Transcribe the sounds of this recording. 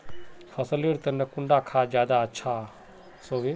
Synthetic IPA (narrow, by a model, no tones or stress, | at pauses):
fʰɐsəliɽt̪ɐnɐkʊɳɖakʰad͡ʒjaːd̪aɐtːʃʰa | soːʋi